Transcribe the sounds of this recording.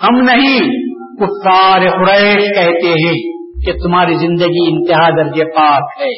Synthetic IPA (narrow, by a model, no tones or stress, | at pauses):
hɐmnɐɦĩ | kʊfːaːɾekʊɾɛːʃkɛɦt̪eɦɛ̃ː | ket̪ʊmaːɾizɪ̃nd̪əɡiɪ̃nt̪ɪɦad̪ɐɾd͡ʒepaːkɦɛː